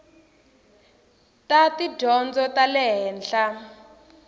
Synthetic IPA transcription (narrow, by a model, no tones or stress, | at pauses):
tati̥d͡ʒɔnd͡zɔtalɛɦɛːnɬa